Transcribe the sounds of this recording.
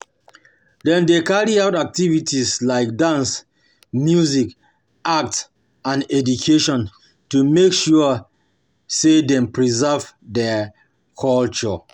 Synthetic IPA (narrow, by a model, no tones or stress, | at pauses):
dɛ̃ndekaɹiaʊtak̚tivitʰislaɪk̚dãns | mjuzik | ʔak̚t | ãnɛdukʰeʃɔ̃n | tumekʃuə | sedɛ̃mpɹizɛv | dɛ | kʰɔlt͡ʃɔ